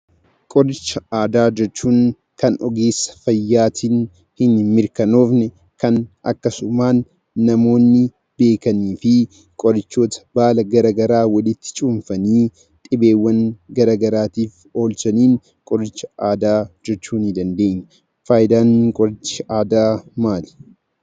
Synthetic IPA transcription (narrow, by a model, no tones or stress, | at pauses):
kʼɔɾɪt͡ʃːɐaːd̪aːd͡ʒɛt͡ʃːuːŋ | kɐnɔɡeːsɐ̥fɐjːaːt̪ʰiːn | hɪnmɪɾkɐno̞ːfnɛ | kɐnɐ̰kːɐsʊmaːnː | ɐmo̞ːnːɪ | be̞ːkɐniːfɪ | kʼɔɾɪt͡ʃːo̞ːt̪ɐ̥baːlɐɡɐɾɐːɡɐɾaːwɐlɪt̪ːɪ̥t͡ʃʼʊmfɐniː | t̪ʼɪbe̞ːwːɐŋɡɐɾaːɡɐɾaːt̪iːf | o̞ːlsɐniːn | kʼɔɾɪt͡ʃːɐ̥aːd̪aːd͡ʒɛt͡ʃːuːnɪd̪ɐnd̪e̞ːɲːɐ | faːjd̪aːŋkʼɔɾɪt͡ʃːɐʔaːd̪aːmaːlɪ̥